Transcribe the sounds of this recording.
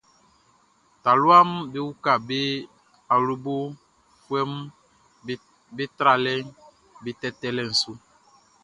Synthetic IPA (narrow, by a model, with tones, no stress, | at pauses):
ta˨lu˦a˦m˦be˦wu˦ka˨be˦ | a˨lu˦bo˦ | kwɛ˦m˦ | be˦tɾa˨lɛ˦ | be˦tɛ˦tɛ˦lɛ˦˨n̩˨su˦